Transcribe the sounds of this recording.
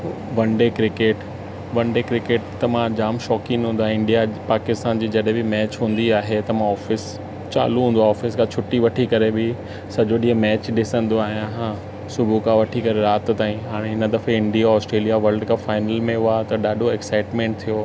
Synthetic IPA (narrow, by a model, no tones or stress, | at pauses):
ʋɐ̃ɳɖekɾɪkeːʈ | ʋɐ̃ɳɖekɾɪkeːʈ̚t̪ɐmãd͡ʑaːmʃɔːkɪ̃ŋɦũːnd̪aɦẽɪ̃ɳɖijapaːkɪst̪aːnd͡ʑiːd͡ʑɐɗɦẽbɪmɛːt͡ɕɦũːn̆d̪iaːɦet̪ɐmãɔːfɪs | t͡ɕa̰ːluɦũːnd̪oaɔːfɪskʰãt͡ɕʰʊʈːiʋɐʈʰikɐɾebɪ | sɐd͡ʑoɗĩːə̃mɛːt͡ɕɗɪsə̃nd̪oaːɦijãɦã | sʊbʱukãʋɐʈʰikɐɾeɾaːt̪t̪aːĩɦaːɽ̃eɪnəd̪ɐfeɪ̃ɳɖijaɔːsʈɾeːlijaʋɐɾlɖkʰãfaːɪnəlmẽʊat̪ɐɗaːɗʱoɛksaːɪʈmẽːɳʈ̚t̪ʰijo